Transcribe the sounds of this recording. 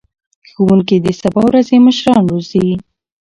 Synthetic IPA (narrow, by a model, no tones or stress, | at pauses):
xuwuŋkid̪əsabɑwɾazeməʃɾɑnɾozi